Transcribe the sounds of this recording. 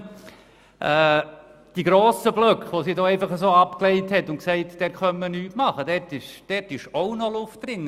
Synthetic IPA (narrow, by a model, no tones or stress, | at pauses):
ʔɛː | d̥iɡɾoːsəblœkχʋosiːdoːɛɪfɑχəsoːɑpklɛɪthɛtːʊnksɛɪtd̥ɛχœmːənyːtmɑχədɛtɪʃd̥ɛtɪʃoʊnɔlʊft̚ɾɪnːə